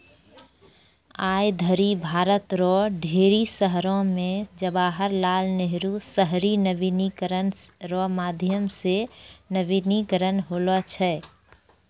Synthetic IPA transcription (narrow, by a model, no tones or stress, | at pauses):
aːjd̪ʱəɾibʱaːɾət̪ɾɔɖʱeːɾisəɦɾõmẽd͡ʒəbaːɦəɾlaːlneɦɾusəɦɾinəʋinikɾənɾɔmaːd̪ʱjəmsenəʋinikəɾənɦoːlɔt͡ʃʰɛː